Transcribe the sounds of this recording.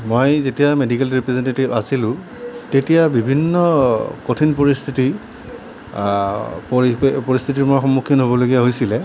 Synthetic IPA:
mojzetijamedikɛlɹipɹɛzentetibasilʊ̃ | tetijabibʱinːɔkotʰinpoɹist̪ʰiti | ppoɹist̪ʰit̬iɹmoxɔmːukʰjɔnɦobɔloɡijaɦojsilɛ

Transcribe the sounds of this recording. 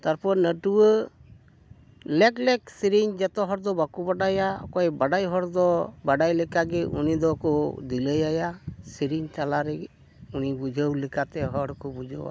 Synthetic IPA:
t̪aɾpɔɾnəʈuwə | lɛklɛksiɾiɲd͡ʒɛt̪ɔɦɔɾd̪ɔbakubaɖajaɔkɔjbaɖajɦɔɽd̪ɔbaɖajlɛkaɡɛʔṵnid̪ɔkɔd̪iləjajasiɾiɲt͡ʃalaɾɛ | unibud͡ʒʱəwlikat̪ɛɦɔɽkɔbud͡ʒʱə̰wa̰

